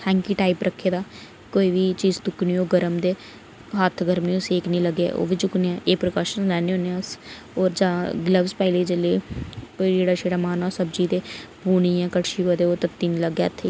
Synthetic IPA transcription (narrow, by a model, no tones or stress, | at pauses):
hɛ̃ːŋkiːʈaːipɾəkʰːeːd̪aː | koːiːʋiːt͡ʃiːzt̪ʊkniːoːɡəɾəmd̪eː | ɦaːt̪ʰɡəɾmniːõːseːknĩːləɡḛːʔo̰ːʋiːd͡ʒʊkneːãːʔeːpɾəkaːʃənlɛːneõːneãːs | oːɾd͡ʒãːɡləʋspəɪleːd͡ʒeːleːkoːiːd͡ʒeːɽaːʃeːɽaːmaːnãːsəbd͡ʒiːd̪eːbuːɽiːãːkəʈʃiːɦoːd̪eːoːt̪ət̪ːiːniləɡjaːət̪ʰːeː